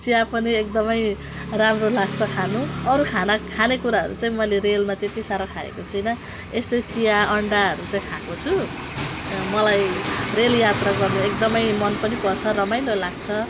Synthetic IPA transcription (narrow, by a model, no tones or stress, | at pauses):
t͡sijapʌniek̚d̪ʌmʌj | ramrolaɡt͡sʰʌkʰanuʌɾukʰanakʰanekuɾaɦʌ̰ɾṵt͡saĩmʌjleɾelmat̪et̪isaɾʌkʰaḛkot͡sʰujnʌ | est̪ʌjt͡sijaʌɳɖaʌɾut͡saĩkʰakot͡sʰu | mʌlajreljat̪raɡʌrnuek̚d̪ʌmʌjmʌnpʌnipʌrt͡sʰʌrʌmajnolaɡt͡sʰʌ